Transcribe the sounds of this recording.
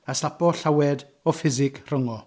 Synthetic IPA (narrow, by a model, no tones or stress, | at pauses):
asapɔɬawɛd | ɔfɪzɪkʰr̥əŋɔ